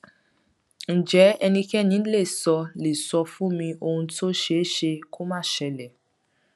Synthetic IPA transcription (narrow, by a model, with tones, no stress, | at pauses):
n̩˨d͡ʒɛ˨˦ɛ˧nĩ˧kɛ˦nĩ˨˦n̩˦le˦˨sɔ˧le˨sɔ˧fũ˦mĩ˧o˧hũ˧to˦ʃe˦ʃe˧ko˦mã˦˨ʃɛ˧lɛ˨